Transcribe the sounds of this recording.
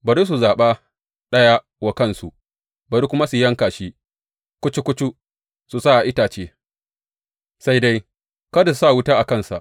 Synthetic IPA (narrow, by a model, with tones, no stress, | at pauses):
bɐ˨ɾi˦s̬u˨zaː˨ɓaː˦ | ɗɐ˦ja˦ | wa˨kɐ˦nsu˨ | bɐ˨ɾi˦kʷʊ˦ma˦su˨jɐ˦ŋkaː˨ʃiː˦ | kʷʊ˦t͡ʃi˦kʷʊ˦t͡ʃu˦ | su˨sa˦˨ʔa˨ʔɪ˦taː˨t͡ʃeː˦ | sa˦jda˦j | kɐ˦da˨ssa˦˨wʊ˦taː˦ʔa˨kɐ˦nsa̰˨ʔ